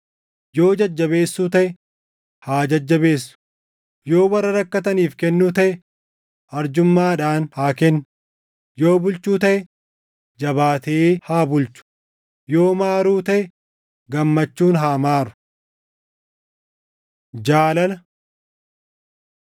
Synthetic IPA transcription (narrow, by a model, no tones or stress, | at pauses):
jo̞ːd͡ʒɐd͡ʒːɐbe̞ːsːuːt̪ɐʔɛ | haːd͡ʒɐd͡ʒːɐbe̞ːsːʊ̥ | jo̞ːwɐrːɐɾɐkːɐt̪ɐniːfkɛnːuːt̪ɐʔɛ | ʔɐɾd͡ʒʊmːaːᶑaːnhaːkɛnː | jo̞ːbʊlt͡ʃuːt̪ɐʔɛ | d͡ʒɐbaːt̪ehaːbʊlt͡ʃʊ̥ | jo̞ːmaːɾuːt̪ɐʔɛ | ɡɐmːɐt͡ʃːuːnɦaːmaːɾʊ̥ | d͡ʒaːlɐlɐ